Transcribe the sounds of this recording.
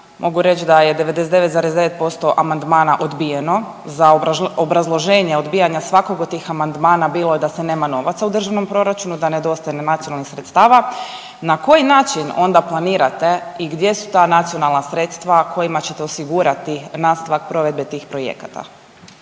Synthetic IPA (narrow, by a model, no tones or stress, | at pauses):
mʔo̞ɡuɾe̞t͡ʃd̪aje̞d̪e̞ʋe̞d̪es̬d̪eʋe̞t̪zaːɾezd̪eʋe̞t̪̚po̞st̪o̞ʔamand̪maːnaʔo̞d̪bije̞no̞ | zaobɾazlˠo̞ʒeːɲeo̞d̪biːjaɲasʋako̞ɡo̥t̪ːiːxamand̪maːnabiːlˠod̪asene̞ːmano̞ʋat̪saud̪r̩ʒaʋno̞mpɾo̞ɾat͡ʃunud̪ane̞d̪o̞st̪ajnenat̪sijonalˠnixsɾet̪st̪aːʋa | nako̞jinaːt͡ʃino̞̰nd̪aplˠaniːɾat̪e̞iɡd̪je̞su̥t̪aːnat̪sionalˠnasɾe̞ːt̪st̪ʋakʰo̞jimat͡ɕe̞t̪eosiɡuːɾat̪inast̪aʋak̚pɾo̞ʋe̞d̪be̞t̪iːxpɾo̞jḛkat̪a̰